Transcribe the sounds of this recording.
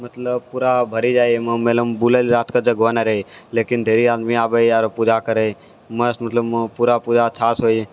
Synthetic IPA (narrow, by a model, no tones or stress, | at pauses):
mət̪ləb̚puɾabʱəɾid͡ʒaːjemmeləmbuləlɾaːt̪ʰkad͡ʒəɡonaɾeileːkɪnd̪ʱeːɾiaːd̪miaːbəiaːɾopud͡ʒakəɾe | məsmət̪ləbpuɾapud͡ʒat͡ʃʰaːsɦoːje